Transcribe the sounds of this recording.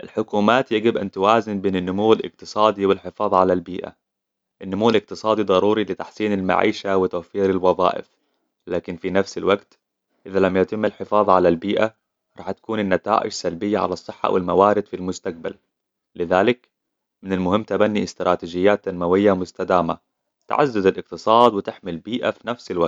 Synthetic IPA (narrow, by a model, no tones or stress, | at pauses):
ʔɪlħʊkuːmaːt̪jaɡɪbʔant̪awaːzɪnbeːnɪnːʊmuwːɪlʔɪ̰qt̪ɨsˤɑːd̪ˤiwɪlħɪfɑːðˤʕalalbiːʔa̰ | ʔɪnːʊmuwːɪlɪq̚t̪ɨsˤɑːd̪id̪ˤɑɾuːɾilɪt̪aħsiːnɪlma̰ʕḭːʃawɪt̪awfiːɾɪlwɑðˤɑ̰ːʔɪ̰f | laːkɪnfinafsɪlwaɡt̪ | ʔɪðalamjat̪ɪmːɪlħɪfɑːðˤʕalalbiːʔa | ɾˤɑ̰ːħt̪ḁkuːnɪnːat̪a̰ːʔɪ̰d͡ʒsalbɪjːaʕa̰lɑsˤːɨħːɑ̰wʔɪ̰lmawaːɾɪd̪filmʊst̪aq̚ba̰lː | ɪðaːlɪk | mɪnɪlmʊhɪmːt̪abanːiʔɪst̪ɾˤaːt̪iːd͡ʒɪjːaːt̪ːanmawɪjːamʊst̪ad̪aːma | t̪a̰ʕa̰zːʊzalʔɪq̚t̪ɨsˤɑːd̪wɪt̪ɪħmɪlbiːʔafinafsɪlwaɡt̪